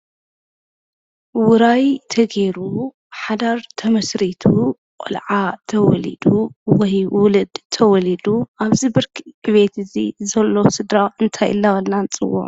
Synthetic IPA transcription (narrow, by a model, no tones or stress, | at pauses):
wʊɾajt̪ʰɐɡe̞ɾu | ħad̪aɾt̪ʰɐmɐsɾit̪ʰu | qʼɨ̰lʕat̪ʰɐwɔ̰lḭd̪uwɔjwʊlɨd̪t̪ʰɐwɔlid̪uʔaβzibɨɾkɨβe̞t̪ʰɨzizɐlːosɨd̪ɾaʔɨnt̪ʰajɨ̰lːawɐlnant͡sʼɨwːṵʕ